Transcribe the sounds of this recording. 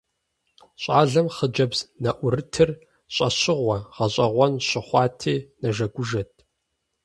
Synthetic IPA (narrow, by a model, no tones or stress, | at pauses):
ɕʷʼaːɮɐmχəd͡ʒɐbz̥nɐʔʷʊɾɨtʰɨr | ɕʼɐɕɪʁʷɐʁɐɕʼɐʁʷɔnɕɪχʷɑːtʰeːnɐʒɐɡʷʊʒɐt̚ʰʼ